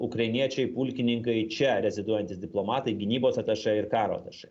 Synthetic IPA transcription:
ʊkɾɐɪnʲiɛt͡ʃʲɛɪpʊlʲkʲɪnʲɪŋkɐɪt͡ʃʲɛɾʲɛzʲɪd̪uɔjɛnt̪ʲɪsd̪ʲɪplˠoːmɑːt̪ɐɪɡʲɪnʲiːboːsɐt̪ɐʃɐɪɾkɑːɾo̰ɑ̰t̪ɐʃɐɪ

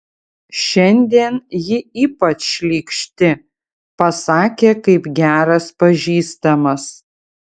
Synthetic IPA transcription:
ʃʲɛnʲd̪ʲiɛnjɪiːpɐt͡ʃʃʲlʲiːkʃʲt̪ʲɪ | pɐsɑːkʲeːkɐɪpɡʲæːɾɐspɐʒʲiːst̪ɐmɐs

